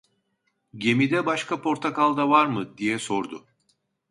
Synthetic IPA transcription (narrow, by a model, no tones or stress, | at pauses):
ɟe̞mid̪ɛbaʃkʰapʰo̞ɾt̪ʰakalˠd̪avaɾmɯd̪ijɛso̞ɾd̪ʊ